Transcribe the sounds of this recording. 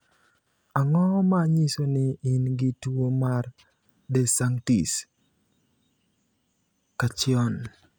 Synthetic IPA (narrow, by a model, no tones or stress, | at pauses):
aŋɔmaɲisonɪɪnɡɪtwomar | dɛsaŋtis | kat͡ʃɪɔn